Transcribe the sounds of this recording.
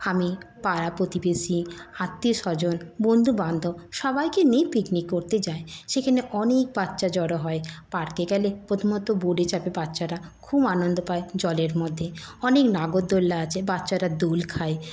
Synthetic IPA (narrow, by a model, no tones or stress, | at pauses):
amipaɾapɾot̪ibesiat̪ːiʃɔd͡ʑonbond̪ʱuband̪ʱoʃɔbajkenejpiknikːoɾt̪ed͡ʑaeʃekʰaneʔɔnek̚bat̪ːʃad͡ʑɔɾoɦɔepaɽkeɡɛlepɾot̪ʰomot̪oboɖet͡ɕapebat̪ːʃaɾakʰubanond̪opaed͡ʑɔleɾmod̪ʱːeɔneknaɡod̪d̪olːaat͡ɕʰebatːɕaɾad̪olkʰae